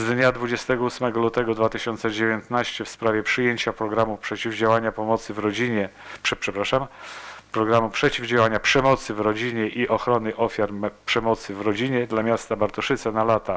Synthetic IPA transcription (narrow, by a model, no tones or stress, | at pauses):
zd̪ɲad̪vud͡ʑɛst̪ɛɡɔusmɛɡɔlut̪ɛɡɔd̪vat̪ɘɕɔnt̪sɛd͡ʑevʲjent̪naɕt͡ɕɛfspɾavʲjɛpʂɘjeɲt͡ɕapɾɔɡɾamupʂɛt͡ɕivd͡ʑawaɲapɔmɔt̪sɘvɾɔd͡ʑiɲɛpʂɛpʂɛpɾaʂampɾɔɡɾamupʂɛt͡ɕivd͡ʑawaɲapʂɛmɔt̪sɘvɾɔd͡ʑiɲɛʔiʔɔxɾɔnɘʔɔfʲjaɾpʂɛmɔt̪sɘvɾɔd͡ʑiɲɛd̪lamʲjast̪abaɾt̪ɔʂɘt̪sɛnalat̪a